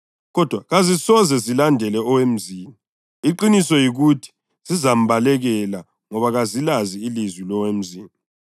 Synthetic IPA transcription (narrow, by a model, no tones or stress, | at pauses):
ɣɔd̥ʱwaɣazisɔzɛzilandʱɛlɛɔwem̩ziːmi | iǃinisɔjiɣutʰi̥ | z̥izam̩βalɛɣɛla | ŋɔβaɣazilaziilizwilɔwem̩ziːmi